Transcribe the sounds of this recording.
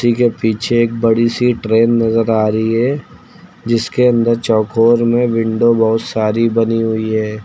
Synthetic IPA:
sikepiːt͡ʃʰeeːk̚bɐɽisiʈɾeːnːɐzəɾaːɾəɦiɦɛ | d͡ʒɪskeɐ̃nd̪əɾt͡ʃɔːkʰoːɾmẽʋɪ̃ɳɖobɔɦʊt̪saːɾibɐniɦʊiɦɛː

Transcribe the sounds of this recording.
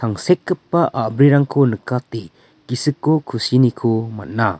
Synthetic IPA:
aŋsekːɯpːaʔabɾiɾaŋkʰonɯkːati | kisɯkːokʰusinikʰoma̰t̚na

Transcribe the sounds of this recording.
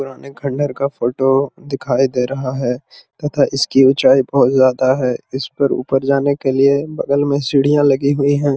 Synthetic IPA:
pʊɾaːneɡʰʱɐ̃ɳɖəɾkafoːʈod̪ɪkʰaːid̪eːɾɐɦaɦɛː | t̪ɐt̪ʰaʔɪskiʊt͡ʃaːibɐɦʊt̪zjaːd̪aɦɛːɪspɐɾṵːpəɾd͡ʒaːnekeliebɐɡəlmẽsɪɽijãlɐɡiɦʊiɦɛ̃ː

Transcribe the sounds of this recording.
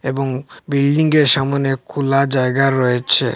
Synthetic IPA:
eboŋbilɖiŋɡeɾʃamonekʰulad͡ʑaeɡaɾoet͡ɕʰḛ

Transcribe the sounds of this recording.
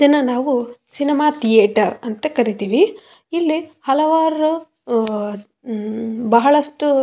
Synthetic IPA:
d͡ʒɐnɐnaːʋusinimaːt̪ʰijeːʈɐɾɐnt̪ɐkɐɾit̪iːʋi | ilːihɐlɐʋaːɾu | bɐɦɐɭɐʂʈu

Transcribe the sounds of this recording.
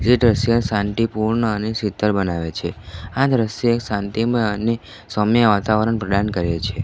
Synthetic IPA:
d͡ʒeʈ̪ɾəʃjənsãnt̪ipuɾɳəənesit̪əɾbənaʋet͡ʃʰead̪ɾəʃoeksãnt̪iməəne | səmjəʋat̪aʋəɾəɳpɾəɖankəɾet͡ʃʰe

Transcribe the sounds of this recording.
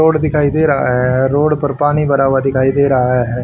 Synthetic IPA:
oːɽd̪ɪkʰaːid̪eːɾɐɦɛɾoːɽpɐɾpaːɽibɐɾaːʋad̪ɪkʰaːid̪eːɾɐɦɛːɦ

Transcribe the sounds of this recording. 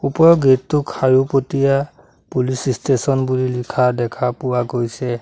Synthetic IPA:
upɔɹɔɡetːʊkʰhaɹupotija | pulisistesɔnbulilikʰadɛkʰapʊwaɡojsɛ

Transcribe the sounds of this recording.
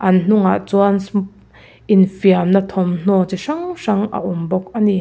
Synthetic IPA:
ʔɐnn̥ʊŋa̰ʔt͡suans | ʔɪnfiamnɐt̪ʰɔmn̥ɔt͡siʂɐŋʂɐŋʔɐ̰ʔumbɔk̚ʔɐni

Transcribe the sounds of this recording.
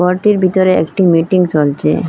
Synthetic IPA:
ɔɾʈiɾbʱit̪ɔɾeɛ̰kʈimiʈiŋɡt͡ɕolt͡ɕʰḛ

